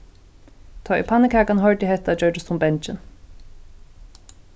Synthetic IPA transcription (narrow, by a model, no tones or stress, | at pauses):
t̪ʰɔːḭpʰanːɪkʰaːkanɦœɹt̪jɪɦɛht̪ad͡ʒœɹtɪst̪ʰʊmbɛnt͡ʃɪn